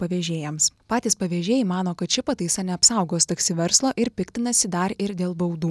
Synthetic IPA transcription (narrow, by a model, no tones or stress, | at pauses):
pɐʋʲɛːʒʲeːjɛmspɑːt̪ʲiːspɐʋʲeːʒʲeːjɛmɑːnoːkɐt̪̚t͡ʃʲɪpɐt̪ɐɪsɐnʲɛɐpsɐˑʊɡoːst̪ɐksʲɪʋʲɛɾslˠoːʔɪɾpʲɪkt̪ʲɪnɐsʲɪd̪ɐɾɪɾd̪ʲeːlˠbɐʊd̪uː